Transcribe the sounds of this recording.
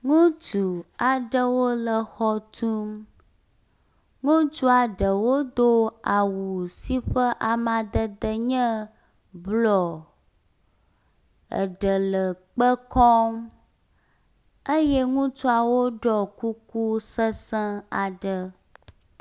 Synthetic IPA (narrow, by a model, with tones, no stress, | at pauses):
ŋũ˦t͡ʃu˨a˨ɖə˦wo˦lə˨xɔ˦t̪ʰu˦m | ŋũ˦t͡ʃu˦a˨ɖə˨wo˦d̪o˦a˨wu˨si˦ɸə˦ʔa˨mã˨d̪ə˦d̪ə˦ɲə̃˦ | blɔ˨ | ə̰˨ɖə˨lə˨k͡pə˦kɔ˦m | ə˦jɛ˦ŋũ˦t͡ʃu˦a˨wo˦ɖɔ˨ku˦ku˦sə˦sə̃˦a˨ɖə˦